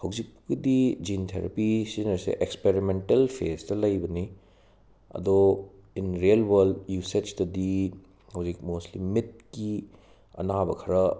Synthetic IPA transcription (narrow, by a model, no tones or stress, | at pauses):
hɐwd͡ʒik̚pkidid͡ʒintʰeɾa̰pisinɐɾsḛʔekspeɾimentɐlpʰestɐlɐjbɐni | ɐ̰do | inɾijɐlwɐɾldjuset͡ʃtɐdi | hɐwzik̚moslimit̚ki | ɐ̰nabɐkʰɐɾɐ